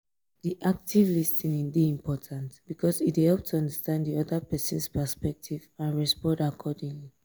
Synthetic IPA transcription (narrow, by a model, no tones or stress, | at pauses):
diʔak̚tivlistĩnĩndiĩmpʰɔtʰãntb̥ikʰɔsithɛlˠp̚tʰuʌ̃ndəstãnddiɔðəpɛsə̃nspɛspɛk̚tʰivãnɹɛspɔ̃dakʰɔdĩŋli